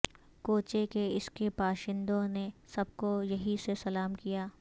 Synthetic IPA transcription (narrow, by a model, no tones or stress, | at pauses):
koːt͡ʃekeɪskepaːʃɪ̃nd̪õnesɐb̚kojɐɦisesɐlaːmkijaː